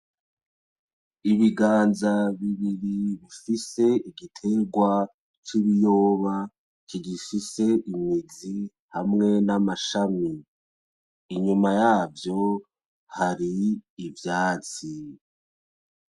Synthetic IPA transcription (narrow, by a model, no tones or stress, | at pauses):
iβiɡaːnzaβiβiɾiβifise̞iɡitʰe̞ɡwa | t͡ʃiβijoːβa | t͡ʃiɡifise̞ʔimŋid͡zi | hamŋe̞namaʃami | ɲumajaːvjo̞ | haɾiːvjaːt͡si